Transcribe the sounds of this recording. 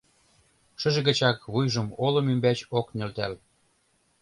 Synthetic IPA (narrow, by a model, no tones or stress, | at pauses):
ʃə̆ʒĕɣə̆t͡ɕɑkβujʒɤ̆molŏmymbæt͡ɕoknʲø̆lt̪æl